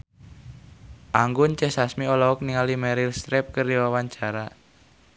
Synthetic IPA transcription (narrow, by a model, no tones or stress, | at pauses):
ʔaŋɡʊnt͡ʃɛsasmiɔlɔɔk̚niŋalimɛɾirst̪ɾɛp̚kəriwawaɲt͡ʃaɾa